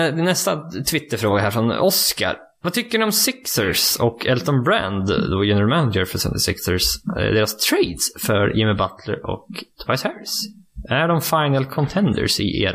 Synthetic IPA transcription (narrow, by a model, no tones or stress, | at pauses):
d̪ɪnːɛst̪at̪ʰvɪt̪ːəɾfɾoːɡaɦæːɾfɾɔnɔska̰ɾ | vɑt̪ʰʏkːəɖɪɔmsɪksəɾsɔkʰɛlt̪ɔnbɾæ̰nd̪d̪oːjɛnəɾmaʊnd͡ʒəɾfœsɛ̰nt̪ɪsɪksəsd̪eːɾast̪ʰɾeɪd̪sfœɾjɪmɪbat̪ʰlə̰ɾɔ̰kd̪̥paɪsɛɾs | æɖɔmfaɪnəlkʰɔnt̪ʰɛnd̪ə̰sɪ̰ʔḛːɾa